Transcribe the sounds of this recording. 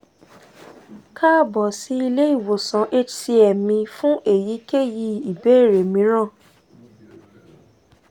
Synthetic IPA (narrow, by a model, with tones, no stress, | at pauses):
kʰa˦˨bɔ˨si˨˦i˧le˦i˦˨wo˨sã˨˦ʔe˦tʰi˧˦ɛ˨mĩ˧fũ˦ʔe˦˨ji˨˦ke˦˨ji˧˨i˨be˨˦˨ɾe˨mĩ˨˦ɾã˦˨